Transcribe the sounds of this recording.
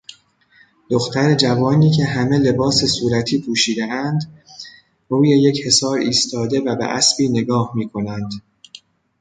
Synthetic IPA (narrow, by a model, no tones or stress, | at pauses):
d̪̥oxt̪ʰæɾe̞d͡ʒævɒːniːcʰe̞ɦæme̞le̞bɒːse̞suːɾæt̪ʰiːpʰuːʃiːd̪eʔænd̪ | ɾuːjeje̞che̞sɒːɾiːst̪ʰɒːd̪e̞væbḛʔæsb̥iːne̞ɡɒːhmiːkʰo̞nænd̪̥